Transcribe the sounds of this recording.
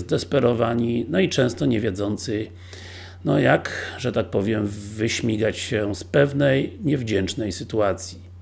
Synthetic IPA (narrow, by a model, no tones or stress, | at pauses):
zd̪ɛspɛɾɔvaɲinɔit͡ʂɛ̃w̃st̪ɔɲɛvʲjed̪zɔnt̪sɘ | nɔjakʐɛt̪ak̚pɔvʲjɛmvɘɕmʲiɡat͡ɕɕɛspɛvnɛjɲɛvd͡ʑɛnt͡ʂnɛjsɘt̪uat̪sʲji